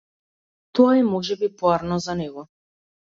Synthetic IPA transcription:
t̪ɔaɛmɔʒɛbipɔaɾnɔzanɛɡɔ

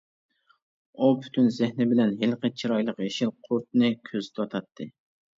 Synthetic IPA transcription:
upʰy̥t̪ʰynzɪhnɪbɪlɛnɦɪlqət͡ʃʰiɾɑjlˠəqjeʃɪlqʰʊɾt̪̚nɨkʲʰøzt̪ʰɑt̪ʰɑt̪ʰːɨ

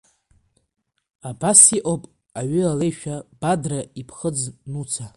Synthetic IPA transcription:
abasiʔʼopʼ | aɥʏale̞jʃᶣab̥adraipʰχəd͡znut͡sʰa

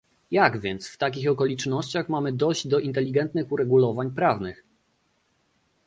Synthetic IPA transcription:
jaɡvʲjɛnt̪sft̪ak̬ʲixɔkɔlʲit͡ʂnɔɕt͡ɕaxmamɘd̪ɔʑd͡ʑd̪ɔʔint̪ɛlʲiɡɛnt̪nɘxuɾɛɡulɔvaɲpɾavnɘx

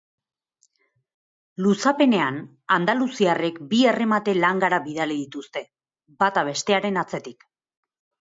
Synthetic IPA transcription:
lusape̞ne̞an | and̪alusiare̞kbiere̞mat̪e̞laŋɡaɾaβiðaliðit̪ust̪e̞ | bat̪aβ̞e̞st̪e̞aɾe̞nat͡se̞t̪ik

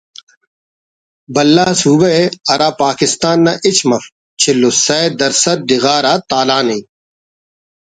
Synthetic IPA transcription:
bɐlːaːsuːbɐeɐɾaːpaːkɪst̪aːnːaʔɪt͡ɕmɐf | t͡ɕʰɪlːosɐed̪ɐɾsɐɾ̚d̪ɪɣaːɾaːt̪aːlaːnĩː

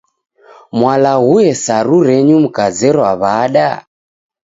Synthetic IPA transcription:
mwalaɣujɛsaɾuɾɛɲum̩kazɛɾɔwaβaɗa

